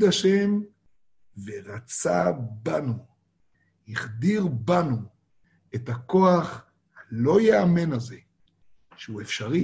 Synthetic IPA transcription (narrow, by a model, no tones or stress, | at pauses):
daʃe̞m | veʁat͡sabanu | hiχd̪iʁbanu | etako̞aχ | hlo̞jeamenaze̞ | ʃeuefʃaʁi